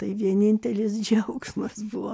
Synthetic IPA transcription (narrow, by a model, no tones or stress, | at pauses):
t̪ɐɪʋʲiɛnʲɪnʲt̪ʲɛlʲɪsd͡ʒʲɛʊksmɐsbuʋo